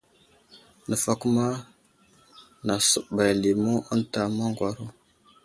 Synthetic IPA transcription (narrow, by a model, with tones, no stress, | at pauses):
nə˨fa˦ku˦ma˦ | na˨su˦ba˨jli˨mu˦ə˦nta˨ma˦ŋɡwa˨ɾu˦